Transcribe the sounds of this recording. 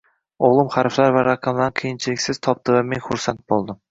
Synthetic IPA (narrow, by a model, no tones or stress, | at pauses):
oʁlˠʊmχaɾflaɾvaɾaqʰɑmlaɾqʰijɪnt͡ʃʰɪlɪkʲsɪz̥t̪ʰɒp̚t̪ɪvamenχʊɾsant̪̚bolˠd̪ɪm